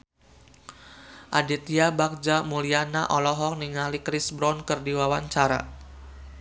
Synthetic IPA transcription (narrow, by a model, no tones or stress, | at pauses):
ʔadɛt̪iabak̚d͡ʒamuliana̰ʔɔlɔɦɔk̚niŋalikɾisbɾɔnkərdiwawaɲt͡ʃaɾa̰